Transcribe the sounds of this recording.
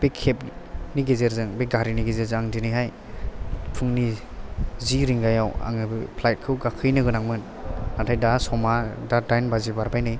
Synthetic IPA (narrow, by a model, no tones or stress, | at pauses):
b̥ekʰːep̚niɡezeɾzɯŋbeɡaɾiniɡezeɾzɯŋaŋdinijɦaj | pʰɯŋni | ziɾiŋɡajawa̰ŋbpʰlajt̚kʰɯwɡakʰɯjnɯɡɯnaŋmɯn | natʰajdasɔmadadajnbazibaɾbajnɯj